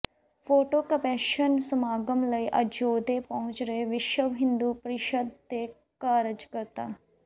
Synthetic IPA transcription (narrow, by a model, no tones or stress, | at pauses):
pʰoːʈoːkəpɛːʃənsəmaːɡəmləiːʔəd͡ʒoːd̪eːpɔ̃ɦʊ̃ɲt͡ʃɾəeːʋɪʃwəʋɦɪ̃nd̪uːpəɾɪʃəd̪̚t̪eː | kaːɾəd͡ʒkəɾt̪aː